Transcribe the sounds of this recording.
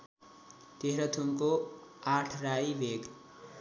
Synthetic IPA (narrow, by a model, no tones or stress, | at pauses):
t̪eɦɾʌt̪ʰumko | aʈʰrajbʱeɡ